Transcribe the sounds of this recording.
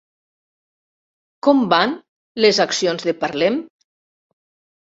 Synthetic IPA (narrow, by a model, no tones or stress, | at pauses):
kɔmban | lezaksionzðepaɾlem